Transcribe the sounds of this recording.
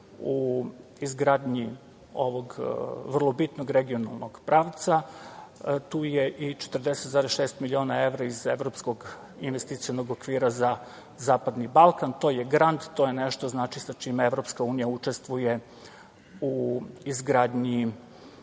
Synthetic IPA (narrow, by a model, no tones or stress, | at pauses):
uizɡɾaːd̪ɲi | o̞ʋoɡʋər̩lˠobit̪noɡɾeɡio̞na̰lˠnoɡpɾaːʋt̪sa | t̪uːjeʔit͡ʃet̪ərd̪eset̪zaːɾesʃeːst̪milio̞ːnae̞ʋɾaizevɾopskoɡ | inʋest̪it̪sijonoɡokʋiːɾaza | zaːpad̪nibalˠkant̪o̞jeɡɾand̪t̪o̞jeneʃt̪oznaːt͡ʃisat͡ʃimeeʋɾo̞pskauːnijaut͡ʃe̞st̪ʋuje̞ | uizɡɾaːd̪ɲi